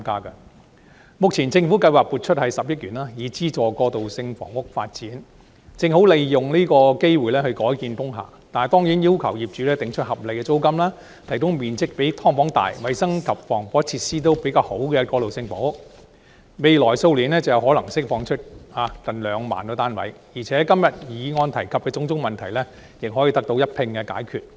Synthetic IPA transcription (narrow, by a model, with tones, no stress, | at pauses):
a˥mkaː˥kɐ˧ | mʊ˨k̚t͡sʰiː˨˩nt͡sɪ˧ŋfu˨˥kɐ˧jwaː˨k̚puː˨˩t̚t͡ʃʰɵ˥t̚hɐ˨jsɐ˨p̚jɐ˥t̚ɥyː˨˩naː˥jiː˨˧˥t͡siː˥t͡ʃɔː˨kɔː˧t̪o˨˩wsɪ˧ŋfɔ̰ː˨˩ŋʊ˥k̚fa̰ː˧t̚t͡siː˨˥n | t͡sɪ˧ŋho˨˥wle˨jjʊ˨ŋniː˥kɔː˧ke˥jwuː˨jlɛː˥hɵ˧ɥkɔː˨˥jkiː˧nt̪ʊ˥ŋɦa̰ː˨˩t̪aː˨t̪ɔː˥ŋjiː˨˥njiː˥wkʰɐ˨˩wjiː˨p̚t͡ʃyː˨˥lɛː˥t̪ɪ˨ŋt͡ʃʰɵ˥t̚hɐ˨˩p̚le˨jkɛ˧t͡so˥wkɐ˥mlaː˥ | t̪ʰɐ˨˩jkʊ˥ŋmiː˨˩nt͡sɪ˥k̚pe˨˥jt̪ʰɔː˥ŋfɔː˨˥ŋt̪a̰ː˨jwɐ˨˧jsɐ˥ŋkʰɐ˨p̚fɔː˨˩ŋfɔː˨˥t͡sʰiː˧t̚siː˥t̪̬o˥wpe˨˥jkaː˧who˨˥wkɛː˧kɔː˧lo˨˩wsɪ˧ŋpo˨˥w | me˨jlɔː˨˩jso˧wliː˨˩nɛː˥t͡sɐ˨˧wjɐ˨˧wɦɔː˨˥lɐ˨˩ŋsɪ˥k̚fɔː˧ŋt͡ʃʰɵ˥t̚aː˨˧k̪ɐ˨˩nlœː˨˧ŋma̰ː˨˩nkɛː˧t̪aː˥nwɐ̰˨˥jjiː˨˩t͡sʰɛː˨˥kɐ˥mjɐ˨t̚jiː˨˧ŋɔː˧nt̪ʰɐ˨˩jkʰɐ˨p̚kɛː˧t͡sʊ˧˥ŋt͡sʊ˥ŋmɐ˨nt̪ʰɐ˨˩jlɛː˥ | jɪ˨k̚ɦɔː˨˥jiː˧t̪ɐ˥k̚t̪o˨˧wjɐ˥t̚pʰɪ˧ŋkɛː˧ka̰ː˨˥jkʰyː˨t̚